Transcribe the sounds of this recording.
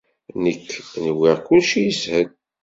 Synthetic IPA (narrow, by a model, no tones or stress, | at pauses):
nəkːnəwiʁkulʃijəshəl